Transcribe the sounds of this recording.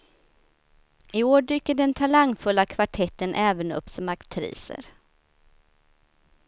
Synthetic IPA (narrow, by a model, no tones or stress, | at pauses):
ɪoːɖyːkːəɖɛnt̪ʰalaŋːfɵlːakʰvaʈʰɛt̪ːənʔɛːvənɵ̰pːsɔmakt̪ʰɾḭːsə̰ɾ